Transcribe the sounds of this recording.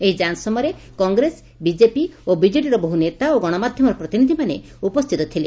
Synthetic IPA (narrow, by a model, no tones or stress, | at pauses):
eɦid͡ʒansɔmɔjɾe | kɔŋɡɾes | bid͡ʒepiobid͡ʒeʈ̬iɾɔboɦunet̪aoɡɔɽ̃ɔmad̪ʱjɔmɔɾɔpɾɔt̪inid̪ʱimanḛ | upɔst̪ʰit̪ɔt̪ʰile